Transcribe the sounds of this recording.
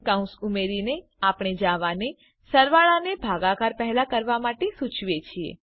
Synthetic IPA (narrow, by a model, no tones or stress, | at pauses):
kaũsumeɾine | apɽ̃ed͡ʒaʋane | səɾʋaɭanebʱaɡakaɾpɛɦɛlakəɾʋamaʈesut͡ʃʰʋet͡ʃʰiḛ